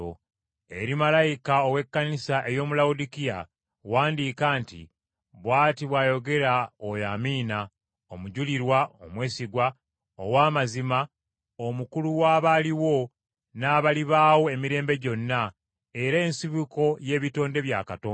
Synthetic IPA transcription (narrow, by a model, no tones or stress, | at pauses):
o | e̞ɾimalajikaowe̞kːanisaʔejo̞ːmulaudikija̰ | waːndikaːntḭ | βwaːtiβwaːjo̞ɡe̞ɾaojaːmiːna | omuɟuliɾwaomwe̞ːsiɡwa | o̰waːmazima | omukuluwaːβaliwo̞ | naːβaliβaːwo̞e̞miɾe̞ːmbe̞ɟo̞nːa | e̞ɾeːnsiβuko̞je̞ːβito̞ːnde̞βja̰ːkatoːn